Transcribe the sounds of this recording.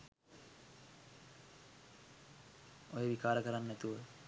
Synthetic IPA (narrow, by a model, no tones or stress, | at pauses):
ojeʋikaːɾəkəɾanːɛt̪uʋə